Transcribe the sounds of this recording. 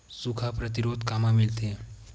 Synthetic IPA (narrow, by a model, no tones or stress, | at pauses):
sukʰapɾət̪iɾoːd̪kaːmãmɪlt̪eɦɛ̃